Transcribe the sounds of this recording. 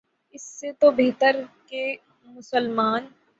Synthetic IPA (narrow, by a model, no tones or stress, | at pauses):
ɪsːet̪obeɦt̪əɾke | mʊsəlmaːn